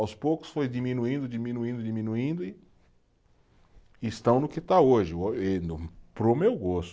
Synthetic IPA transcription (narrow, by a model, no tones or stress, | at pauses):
awspowkʊ̥sfojd͡ʒimĩnuĩnd̪ʊd͡ʒimĩnuĩnd̪ʊd͡ʒimĩnuĩnd̪ʊɪ | st̪ɐ̃w̃nʊkɪt̪aoʒɪoenʊpɾomewɡost̪